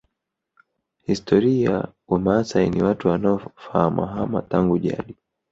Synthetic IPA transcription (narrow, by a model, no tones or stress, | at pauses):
histʰɔɾiawamasainiwatuwanaɔfahama̰ɦama̰taŋɡuʄa̰ɗi